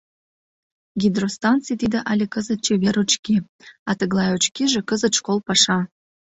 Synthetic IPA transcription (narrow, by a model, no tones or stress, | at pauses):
ɡʲid̪rost̪ɑnt͡sijt̪id̪ə̆ʔɑlʲekəzət̪̚t͡ɕeβeɾot͡ɕki | ɑt̪əɣlˠɑjot͡ɕkiʒĕkəzə̆t̪ʃkolˠpɑʃɑ